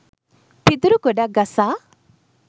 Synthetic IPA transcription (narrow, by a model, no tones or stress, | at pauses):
pid̪ɾukɔɖaɡasa